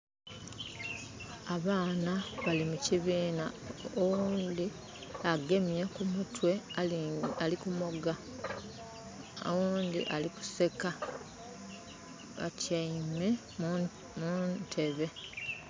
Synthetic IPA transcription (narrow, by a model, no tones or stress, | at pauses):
aβaːnaβalimuciβiːna̰owuːnd̪i | aɡe̞mjakumutwe̞ | alikumo̞ɡa | o̰wuːnd̪ḭʔaliku̥se̞ka | βa̰cajime | mutʰe̞βe̞